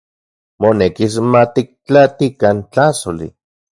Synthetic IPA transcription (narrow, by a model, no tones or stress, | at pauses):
monekis̬mat̪ik̚t͡ɬat̪ikant͡ɬasolḭ